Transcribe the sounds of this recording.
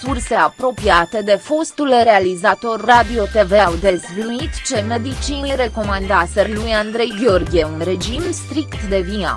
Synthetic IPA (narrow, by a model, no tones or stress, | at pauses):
surse̞apɾo̞piat̪e̞d̪e̞fo̞st̪ulre̞alizat̪o̞rːad̪io̞t̪e̞veawd̪e̞zvluit̪t͡ʃeme̞d̪it͡ʃiɾe̞ko̞mand̪aselujand̪ɾe̞jɡʲeo̞rɡʲieunɾe̞d͡ʒimst̪ɾikt̪d̪e̞via̰